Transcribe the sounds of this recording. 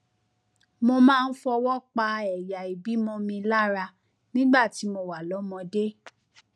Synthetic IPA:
mõ˧mãː˦˧n̩˦fɔ˧wɔ˦k͡pa˧ɛ˨ja˨i˨bi˨˦mɔ̃˧mĩ˧la˦ɾa˧ | nĩ˦ɡ͡ba˦˨ti˨˦mo˧wa˨lɔ˨˦mɔ̃˧de˦

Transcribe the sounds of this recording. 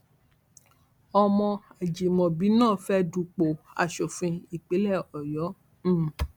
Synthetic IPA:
ɔ˧mɔ̃˧a˨d͡ʒe˨mɔ̃˨bi˨˦nãː˦˨fɛ˦du˧k͡po˨a̰˨ʃo˨fĩ˧i˨k͡pe˨˦lɛ˦˨ɔ˨jɔ̃˨˦˨

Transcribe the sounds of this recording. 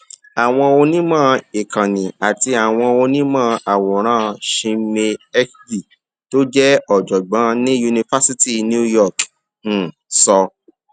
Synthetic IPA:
a˨w̃ɔ̃˧o˧nĩ˦mãː˦˨i˨kã˨nĩ˨a˨ti˧a˨w̃ɔ̃˧o˧nĩ˦mã˦˧ʔa˨wɔ̃˨ɾ̃ãː˦ʃĩ˧me˧ɛ˦kdi˦˨ | to˦d͡ʒɛ˦ɔ˨d͡ʒɔ˨ɡ͡bã˨˦nĩ˦ju˧nĩ˧fa˦si˦ti˦nũ˦u˦jɔ˦˨k̩˨ | sɔ˧

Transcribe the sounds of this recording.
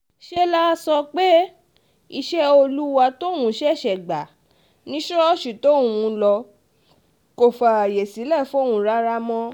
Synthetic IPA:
ʃe˦la˦˧sɔ˧k͡pe˦ | i˧ʃɛ˦o˧lu˦wa˧to˦˨wũ˨˦ʃɛ˦˨ʃɛ˨ɡ͡ba˨ | nĩ˦ʃɔ˦ʃi˨to˦˨wũ˧lɔ˧ | ko˨fa˨je˨si˨˦lɛ˦˨fo˦˨wũ˧˦ɾa˦ɾa˦mɔ̃˦

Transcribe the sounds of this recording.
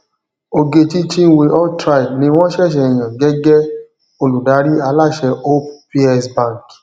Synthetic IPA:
o˧ɡe˧ti˦t͡ʃĩ˦we˧ʔɔ˦tɾa˧i˨bnĩ˧˦w̃ɔ̃˦ʃɛ˦˨ʃ̬ɛ˧˨j̃ã˨ɡɛ˨˦ɡɛ˦ | o˧lu˨da˨˦ɾi˦a˧˦la˦˨ʃɛ˧o˦pi˦ɛ˧sbã˦˨ŋ˨k

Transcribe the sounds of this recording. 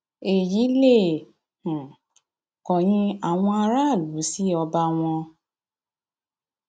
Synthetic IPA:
e˨ji˨˦le˦˨ | h̩˨ | kɔ˨j̃ĩ˧a˨w̃ɔ̃˧a˧ɾa˦˨lu˨˦si˦ɔ˧ba˧w̃ɔ̃˧

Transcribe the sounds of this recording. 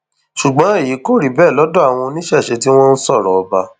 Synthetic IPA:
ʃu˨ɡ͡bɔ̃˨˦e˦˨ji˨˦ko˦˨ɾi˨˦bɛː˦˨lɔ˨˦dɔ˦a˦˨w̃ɔ̃˧nĩ˦ʃɛ˦˨ʃe˧ti˦w̃ɔ̃˦n̩˦sɔ˦˨ɾɔ˨ɔ˧ba˧

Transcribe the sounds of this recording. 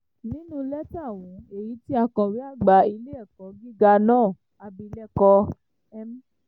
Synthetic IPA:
nĩ˦nũ˦lɛ˦ta˦˨w̃ɔ̃˨e˨ji˨˦ti˦a˧kã˧ɾi˨˦a˦˨ɡ͡ba˨˧i˧le˦ɛ˦˨kɔ̃˨˦ɡi˦ɡa˧nãː˦˨ | a˧bi˧lɛ˦kɔ˧ | ɛ˧m̩˦

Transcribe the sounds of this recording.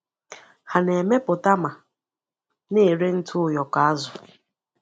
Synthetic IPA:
ha˨ne˨me˦pʊ˨ta˦ma˨ | ne˦˨ɾe˦n̩˦tʰʊ˦˨jɔ˨ka˨a˦zʊ˨

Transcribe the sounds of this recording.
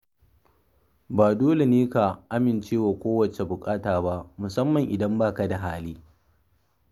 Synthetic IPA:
baː˨doː˦le˨neː˦ka˨ʔa˦mɪ˨nt͡ʃeː˦waː˨kʷoː˦wɐ˨t͡ʃe˨bʊ˨kʼaː˦taː˨ba˦ʔmʊ˨sɐ˦mːɐ˨ŋʔɪ˨dɐ˦mbaː˦˨ka˨da˨ɦaː˦liː˦

